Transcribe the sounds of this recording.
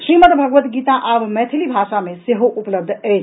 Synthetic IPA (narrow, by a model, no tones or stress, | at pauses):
sɾimət̪bʱəɡʋət̪ɡit̪aʔəbmɛt̪ʰilibʱaʃameseɦoʔupləb̚d̪ʱət͡ʃʰ